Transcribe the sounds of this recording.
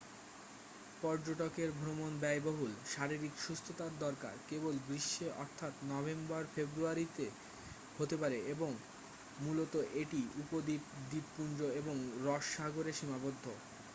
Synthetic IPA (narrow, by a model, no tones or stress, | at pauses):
pɔɾd͡ʑoʈokeɾbʱɾomonbɛjboɦulʃaɾiɾikʃust̪ʰot̪aɾd̪ɔɾka̰ɾkebolbɾiʃːeʔɔ̰ɾt̪ʰat̪nɔbembaɾfebɾuaɾit̪e | hot̪epaɾeeboŋ | mulot̪oʔeʈiupod̪id̪ippund͡ʑɾoeboŋɾɔʃːaɡoɾeʃimabod̪ʱːo